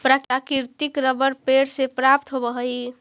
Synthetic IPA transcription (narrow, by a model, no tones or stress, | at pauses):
pɾakakiɾt̪ikɾəbəɾpeɽsepɾap̚t̪ɦobəɦəj